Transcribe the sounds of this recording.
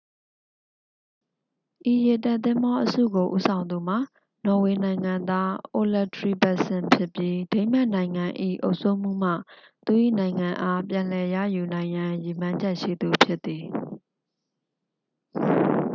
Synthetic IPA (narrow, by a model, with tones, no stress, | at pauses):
ʔi˨je˨tɛ˦˨ʔt̪ɪ̃˦mbɔ˦ʔəsṵ˦˨ɡo˨ʔṵ˦sʰã˨ʊ̃nd̪u˨m̥a̰˦˨ | nɔ˨we˨nã˨ɪ̃ŋã˨nd̪a˦ʔo˦lɛ˦˨tɹi˦˨ba˨sɪ̃˨mpʰjɪ˦pji˦de˦ɪ̃m̥a˦ʔnã˨ɪ̃ŋã˨ʔḭ˦˨ʔo̰˦ʊʔsʰo˦˨m̥ṵ˦˨m̥ä̰˦˨ | t̪u˨ʔḭ˦˨nã˨ɪ̃ŋã˨ʔa˦pjã˨lɛ˨jä̰˦˨ju˨nã˨ɪ̃jã˨ji˨m̥ã˦ɲd͡ʑɛ˦ʔʃḭ˦˨d̪u˨pʰjɪ˦t̪ːi˨